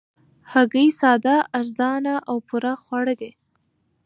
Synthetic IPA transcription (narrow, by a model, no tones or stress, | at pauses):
haɡəjsɑd̪aːɾzɑnaʔawpuɾaxwaɽəd̪e